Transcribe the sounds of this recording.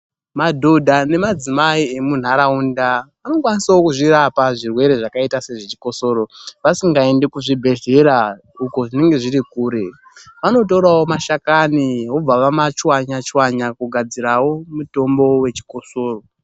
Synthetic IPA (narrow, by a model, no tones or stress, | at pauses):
madʱodʱane̞mad͡zimaie̞mun̤aɾaunda | ano̞kwanisawo̞kuʐiɾapaʐirwe̞ɾe̞ʐakaitase̞ʐet͡ʃi̥ko̞so̞ːɾo̞ʋasiŋɡae̞nde̞kuʐibʱe̞ɮe̞ɾa | uko̞ʐine̞ŋɡe̞ʐiɾikuːɾe̞ | ʋano̞t̬oɾawo̞maʃakaniɦob͡vaʋamat͡ʃwaɲat͡ʃwaɲakuɡʱad͡ziɾawo̞muto̞mbo̞we̞t͡ʃi̥ko̞soːro̞